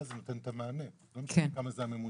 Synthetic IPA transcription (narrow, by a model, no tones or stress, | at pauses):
zɨnut̪ɐnt̪ɐmaːne | nɐmkamɐzaːmemu